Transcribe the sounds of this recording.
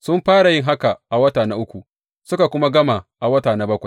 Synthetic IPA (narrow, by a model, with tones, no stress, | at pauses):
sʊ˦mɸaː˦ɽa˨jɪ˦ŋɦa˦ka˨ʔa˨wɐ˦taː˨na˦ʔʊ˦kʷu˨ | sʊ˦ka˨kʷʊ˦ma˦ɡɐ˦ma˨ʔa˨wɐ˦taː˨na˦bɐ˦kʷa˨j